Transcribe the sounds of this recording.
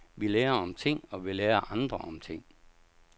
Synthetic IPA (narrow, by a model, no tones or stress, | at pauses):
ʋileːɐɒ̽mt͡sʰe̝ŋ̰ɒ̽ʋileːɐʔɑ̈nd̥ʁɐʔɒ̽mt͡sʰe̝ŋ̰